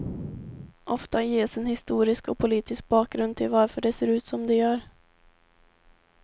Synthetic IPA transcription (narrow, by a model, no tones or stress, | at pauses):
ʔɔft̪ajeːsɛnhɪst̪uːɾɪskɔpʰʊliːt̪ɪsk̚bɑːk̚ɡɾɵnd̪̚t̪ʰɪlvaɾfœɖɛseːɾʉ̟ːt̪sɔmd̪ɛjœːɾ